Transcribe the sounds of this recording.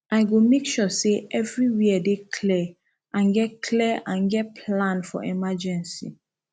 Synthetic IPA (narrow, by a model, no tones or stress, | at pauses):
ʔaɪɡomekʃɔseɛvɹiwiadekʰlɛ | ʔãnɡɛt̚kʰlɛʔãnɡɛt̚pʰlãnfɔ̰ʔɛmad͡ʒɛ̃nsḭ